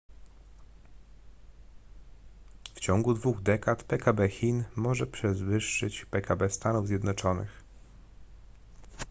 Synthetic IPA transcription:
ft͡ɕɔŋɡud̪vuɣd̪ɛkat̪pɛkabɛxʲinmɔʐɛpʂɛzvɘʂːɘt͡ɕpɛkabɛst̪anuvzʲjɛd̪nɔt͡ʂɔnɘ̰x

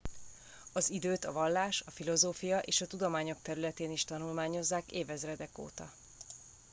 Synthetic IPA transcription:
ɒzid̪øːt̪ɒvɒlːaːʃɒfilo̞zoːfijɒʔeːʃɒt̪ud̪o̞maːɲo̞k̚t̪ɛɾylɛt̪eːniʃt̪ɒnulmaːɲo̞zːaːkeːvɛzrɛd̪ɛko̰ːt̪ɒ̰

